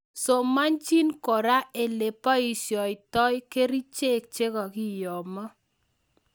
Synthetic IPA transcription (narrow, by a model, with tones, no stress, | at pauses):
so˨ma˦nt͡ʃi˦nkɔ˨ɾa˦e˨le˨pa˦i˨sjɔ˨ɪ˨tɔ˦jke˦ɾi˦t͡ʃe˦˨k̚t͡ʃe˦kɔ˨ki˦jɔ˨mɔ˦